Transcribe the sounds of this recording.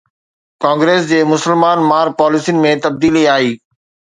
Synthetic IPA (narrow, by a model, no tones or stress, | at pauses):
kãːŋɡɾeːs̬d͡ʑeːmʊsəlmaːnmaːɾpaːlɪsiʊnɪ̆mẽt̪ɐb̚d̪iːliaːɦiː